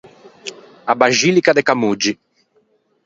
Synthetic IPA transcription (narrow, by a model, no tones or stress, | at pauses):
abaʒilikad̪ekamud͡ʒi